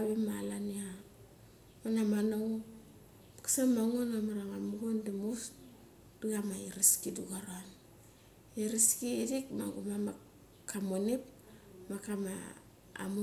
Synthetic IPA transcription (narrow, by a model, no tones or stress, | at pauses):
aβimalania | manamanao | kḁsamaŋonamaɾaŋamuɡondimus | d̥uɡamaiɾiskiduɡaɾoan | iɾiskiːdikma̰ɡumama | kamonip | makama̰ | a̰mu